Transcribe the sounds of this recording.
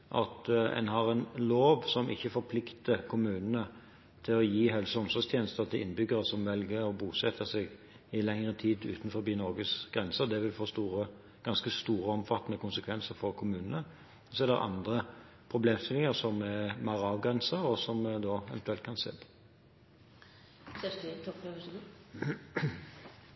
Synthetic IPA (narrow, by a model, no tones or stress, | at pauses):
ʔɑ̰t̪ɛ̰nɦɑʁɛnloːʋsɔmʔɪ̰çːəfɔɾpʰlɪkt̪əkʰʊmʉːnənə | t̪ʰɪlɔjiːɦœlsɔmsɔst̪ʰjeːnəst̪əʁt̪ʰɪlʔɪnːəbʏɡəɾəsɔmʋɛlɡəɾɔbuːsɛt̪ʰːəsɛɡ | ɪlɛŋʁət̪ʰiːd̪ʉ̰ːt̪n̩fɔɾbiːnɔʁɡəsɡ̥ʁɛnsəd̪ɛʋɪlfoːst̪uːʁə | ɡ̥ɑnskəst̪uːɾəɔmfɑt̪ːnəkʰʊnsəkʰʋɛnsəʁfɔʁkʰʊmʉːnənə | ɔsɔæd̪ɛ̰ʁɑ̰nd̪ʁə | pʰʁʊbleːmst̪ɪlɪŋəʁsɔmɛmæɾɑːʋɡʁɛnsəʁɔsɔmd̪oːɛʋənt̪ʰʉɛlt̪kʰɑnsḛːd̪ | sætət̪ʰɔpøʋəsəl